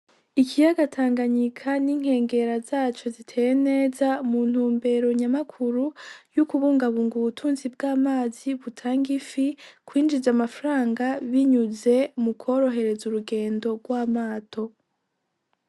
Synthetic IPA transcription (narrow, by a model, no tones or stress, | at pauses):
ikijaɡatʰaːŋɡaɲikʰaniŋ̥he̞ːŋɡe̞ɾazaːt͡ʃo̞zitʰe̞ːjene̞ːzamun̥huːmbe̞ɾo̞ɲamakʰuɾujukuβuːŋɡaβuːŋɡuβutʰuːnzib̚ɡaːmaːziβutʰaːŋɡifikwiːnd͡ʒizamafɾaːŋɡaβiɲuze̞mukʰo̞ːɾo̞ɦe̞ɾe̞zuɾuɡe̞ːndo̞ɡwaːmaːtʰo̞